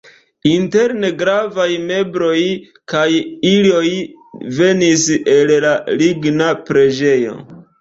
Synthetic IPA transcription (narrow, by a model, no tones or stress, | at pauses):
inte̞ɾne̞ɡɾavajme̞bɾo̞j | kajilo̞j | ve̞nise̞llaliɡnapɾe̞d͡ʒe̞jo̞̰